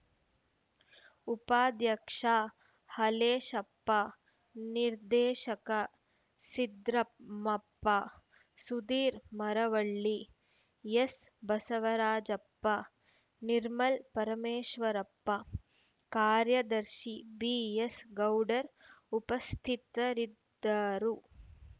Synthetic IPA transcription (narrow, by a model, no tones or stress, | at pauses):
upaːd̪jɐkʂaː | hɐleːʃɐpːɐ | niɾd̪eːʃɐkɐ | sid̪ɾɐmɐpːɐ | sud̪iːɾmɐɾɐʋɐɭːi | jesbɐsɐʋɐɾaːd͡ʒɐpːɐ | niɾmɐlpɐɾɐmeːʃʋɐɾɐpːɐ | kaːɾjɐd̪ɐɾʃibijesɡɐwɖɐɾupɐst̪ʰit̪ɐɾid̪ːaɾu